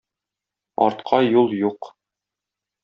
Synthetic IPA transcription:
ɒ̰ɾt̪qʰɑjulˠjuq

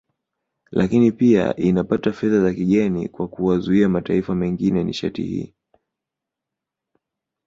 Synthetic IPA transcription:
lʔakinipia̰ʔinapatafɛðazakiɠɛnḭkwakuwazuiamataifamɛŋɡinɛnḭʃa̰tḭhḭː

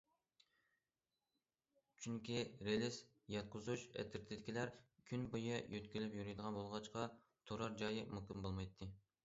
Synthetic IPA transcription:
t͡ʃʰyŋkʲʰiɾelɪs | jɑt̪̚qʰʊzuʃɛ̰t̪ʰːɪɾt̪ʰɪd̪ɪkʲʰilæɾkʲʰynbujɨjøt̪kʲilɪpjyɾyjd̪əʁɑnbolˠʁɑt͡ʃqɑ | t̪ʰoɾɑɾd͡ʒɑjɨmukʲimbolˠmɑjt̪ʰːɨ

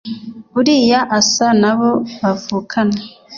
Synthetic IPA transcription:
βuɾijaʔasanaβoβavuːkʰane

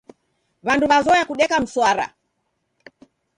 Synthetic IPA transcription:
βanduβazɔjakuɗɛkam̩swaɾa̰

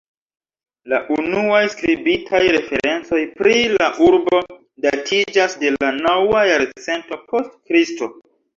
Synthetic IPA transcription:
laʔunuajskɾibitʰajɾe̞fe̞ɾe̞nt͡so̞jpɾilaʔuɾbo̞ | datʰid͡ʒasde̞lanawajaɾt͡se̞nto̞pʰo̞stkɾisto̞

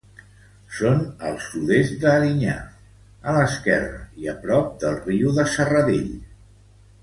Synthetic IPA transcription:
sonəlˠsuðezd̪əːɾiɲa̰ | ələskɛ̰rəiəpɾɔp̚d̪əlˠriuðəsərəðeʎ

